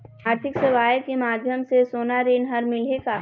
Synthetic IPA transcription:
aːɾt̪ʰɪksɐʋaːjəkemaːd̪ʱjəmsesoːnaɾeːnɦɐɾmɪleka

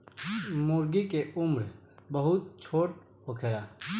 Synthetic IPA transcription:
mʊɾɡikeʊmɾ | bəɦʊt̪̚t͡ʃʰoːʈ | ɦokʰeːɾaː

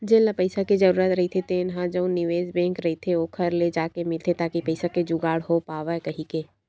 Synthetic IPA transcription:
d͡ʒellapəɪsakid͡ʒɐɾuːɾət̪ɾɐɦit̪ʰet̪enɦãd͡ʒə̃ʊ̃nɪʋeːzbɛ̃ːŋkɾɐɦit̪ʰeokʰɐɾled͡ʒaːkemɪlt̪ʰet̪aːkipɐɪsaked͡ʒʊɡaːɽɦopaːʋakɐɦikeː

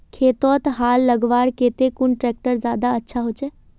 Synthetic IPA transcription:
kʰeːt̪ɔːt̪ɦaːlːɐɡʋaːɽkeːt̪ekʊnʈɾɛːk̚ʈəɾzaːd̪aɐtːʃʰaɦot͡ʃe

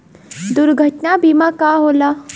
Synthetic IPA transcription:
d̪ʊɾɡʱəʈnabiːmakaːɦoːla

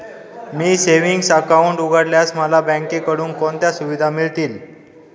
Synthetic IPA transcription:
miːseʋiŋɡsakauɳʈuɡʱəɽljasməlabə̃ŋkekəɽuːnkont̪jasuʋid̪ʱamiɭt̪iːl

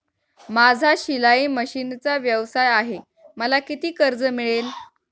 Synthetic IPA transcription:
mad͡zʱaɕilaiːməɕint͡saʋjəʋsajaɦe | məlakit̪iːkəɾd͡zəmiɭel

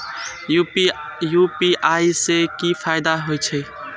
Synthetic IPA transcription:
juːpiːʔaːiːseːkiːfʰaːɪd̪aɦoːit͡ʃʰeː

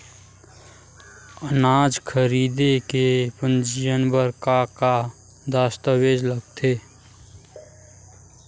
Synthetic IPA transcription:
ənad͡ʒkʰəɾiːd̪ekepənd͡ʒijənbəɾkaka | d̪ast̪əwed͡ʒləɡ̚t̪ʰe

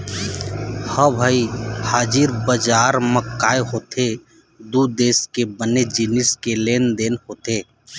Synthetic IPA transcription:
həbʱəihaːd͡ʒiɾbəd͡ʒaɾməkːaeɦot̪ʰe | d̪ud̪eskebəned͡ʒiniskelend̪enɦot̪e

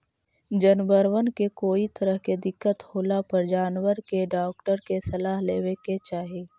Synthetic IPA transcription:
d͡ʒənbəɾwənkekoːit̪ɐɾəɦked̪ɪkːət̪hoːlapəɾd͡ʒaːnwəɾkeɖaːk̚ʈəɾkesɐlaːɦleːweket͡ʃaːɦieː

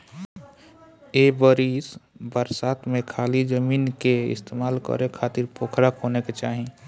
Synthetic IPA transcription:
ebəɾisbəɾsaːt̪mẽkʰaːlid͡ʒəmiːnkeɪ̰st̪eːmaːlkə̰ɾekʰaːt̪ɪɾpoːkʰɾakɦoneket͡ʃaːɦĩ

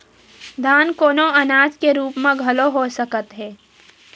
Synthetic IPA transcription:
d̪ʱaːnkoːnoɐnaːd͡ʒkeɾuːpmẽɡʱɐloɦosɐkət̪ɦɛː

